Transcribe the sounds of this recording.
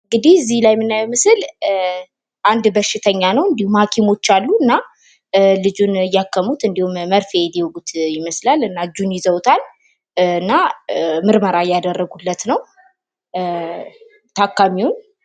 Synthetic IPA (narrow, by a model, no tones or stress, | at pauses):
ɨŋɡɨd̪ihɨzːihlajmɨnːajmɨsɨl | ʔand̪bəʃːɪt̪ʰəɲːanəwɨnd̪ihumhakʰimo̞t͡ʃːalːuɨnːa | lɨd͡ʒunjakʰːəmut̪ɨnd̪ihumːəɾfeliwɡut̪jɪməslalɨnːad͡ʒunjɪzəwt̪ʰal | ɨnːamɨɾməɾajad̪ərːəɡuhulːət̪nəw | t̪ʰakːamiwun